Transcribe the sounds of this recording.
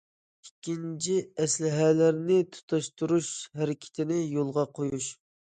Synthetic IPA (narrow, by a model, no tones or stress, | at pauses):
ikʲːint͡ʃʰiɛslɪɦælæɾnɪt̪ʰu̥t̪ʰɑʃt̪uɾuʃhæɾɪkʲʰɪ̥t̪ʰɪnɪjolˠʁɑqʰojuʃ